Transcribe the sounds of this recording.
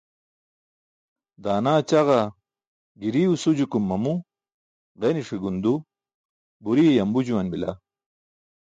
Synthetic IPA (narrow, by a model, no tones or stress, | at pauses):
d̪aːnaːt͡ɕaʁa | ɡiɾiusud͡ʑukumːɐmu | ʁeniʂiɡund̪u | buɾijɐmbud͡ʑuwɐnbila̰